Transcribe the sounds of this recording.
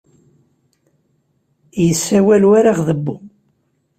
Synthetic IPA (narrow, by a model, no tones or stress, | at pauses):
jəsːæwælwaɾaʁðəbːu